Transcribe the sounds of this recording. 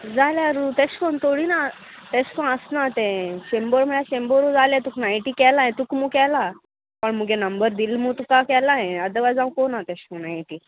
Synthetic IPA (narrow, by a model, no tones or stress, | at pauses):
d͡zaljaɾut̪ɛ̃ɕkont̪oɽina | t̪ɛ̃ɕkãəsnat̪ɛ̃ɕembəɾm̤əɭjaɕembəɾud͡zaljat̪uknajʈiːkɛlaɦɛ̃t̪ukmukɛla | pəɳmuɡɛ̃nəmbəɾd̪ilmut̪ukakɛlaɦɛ̃əd̪əʋad͡zãʋkonat̪ɛɕkonaiʈiː